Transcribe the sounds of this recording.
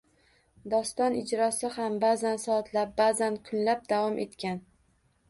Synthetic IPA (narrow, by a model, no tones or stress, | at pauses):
d̪ɒst̪ɒnɪd͡ʒɾɒsɪhambazansɒːt̪ʰlap̚bazankʰʊnlap̚d̪avɒmʔe̞t̪kʲan